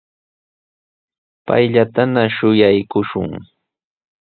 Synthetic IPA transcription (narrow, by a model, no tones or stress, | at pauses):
pa̰jʎat̪anaʃʊjajkʊʃʊ̰ŋ